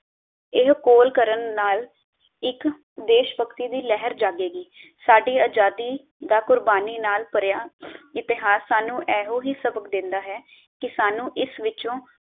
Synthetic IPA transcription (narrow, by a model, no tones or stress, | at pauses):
ɪɦkoːlkəɾənːaːl | ɪk | d̪eːʃpəkt̪iːd̪iːlɛɦəɾd͡ʒaːɡeːɡiːsaːɖiːaːd͡ʒaːd̪iː | d̪aːkʊɾbaːniːnaːlpəɾjaːɪt̪ɪɦaːsːaːnũːʔɛːɦoːɦiːsəbəkd̪ɪ̃nd̪aːɦɛː | kɪsaːnũːʔɪsʋɪt͡ʃõː